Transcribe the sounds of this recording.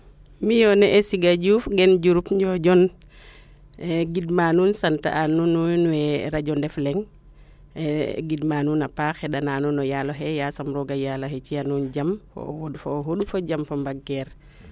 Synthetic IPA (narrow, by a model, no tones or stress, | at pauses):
mijɔnɛʔɛsiɡaɟuːfɡɛnɟuɾupɲɟɔɟɔn | ɡidmanuːnsanta̰ʔanununwɛɾaɟɔndɛflɛŋ | ɡidmaːnuːnapaxɛɗanaːnunɔjaloɦɛjasamɾɔɡajalohɛt͡ʃianuːnd͡ʒamfo̰wodfoɦoɗufoɟamfombaɡɛɾ